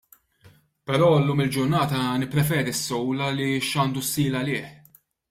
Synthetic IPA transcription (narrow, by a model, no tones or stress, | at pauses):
pɛɾɔːlːuːmɪld͡ʒʊɾnɐːt̪ɐnɪpːɾɛfɛːɾisːɔwlɐliʃɐːnd̪usːiːlɐlɪːħ